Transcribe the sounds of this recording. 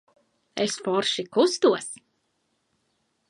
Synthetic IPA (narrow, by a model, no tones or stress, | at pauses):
ɛsfɔɾʃikust̪uɔs